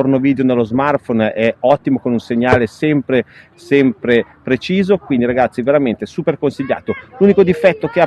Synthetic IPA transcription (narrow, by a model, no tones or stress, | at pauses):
ornoviːd̪eonelːozmart̪fonɛɔt̪ːimokonunseɲːaːlesɛmpɾe | sɛmpɾe | pɾet͡ʃiːzokwind̪iɾaɡat̪sːiveɾament̪eɛsuːperkonsiʎːa̰ːt̪oluːnikod̪ifɛt̪ːokea